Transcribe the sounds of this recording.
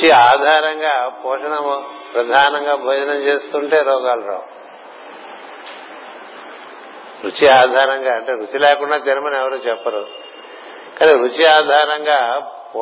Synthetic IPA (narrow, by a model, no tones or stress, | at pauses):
t͡ʃiaːd̪ʱaːɾɐŋɡaːpɔːʂɐɳɐmpɾɐd̪ʱaːnɐŋɡaːbʱoːd͡ʒɐnɐmt͡ʃeːst̪uɳʈe̞ːɾɔːɡaːlɐɾa̰ː | ɾut͡ʃiaːd̪ʱaːɾɐŋɡaːɐɳʈeːɾut͡ʃilɛːkuɳɖaːt̪iɾɐmɐnɛʋɐɾuːt͡ʃɛpːɐɾu | kaːniɾut͡ʃiaːd̪ʱaːɾɐŋɡaːpː